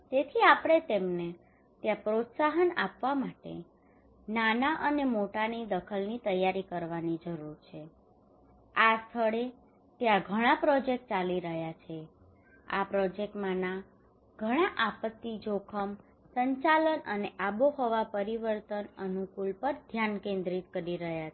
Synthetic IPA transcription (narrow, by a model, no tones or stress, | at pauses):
d͡ʒet̪ʰiapɽ̃et̪emne | t̪jãpɾot̪saɦənapʋamaʈḛ | nanaʔənemoʈanid̪əkʰəlnit̪əjːaɾikəɾʋanid͡ʒəɾuɾt͡ʃʰe | ast̪ʰəɭe | t̪jãɡʱəɽ̃apɾɔd͡ʒek̚ʈ̚t͡ʃaliɾəɦjat͡ʃʰe | a̰pɾɔd͡ʒek̚ʈmãna | ɡ̥ʱəɽ̃aʔapət̪ːid͡ʒokʰəm | səɲt͡ʃalənəneʔaboɦoʋapəɾiʋəɾt̪ənənukulpəɾd̪ʱjankẽnd̪ɾit̪kəɾiɾəɦjae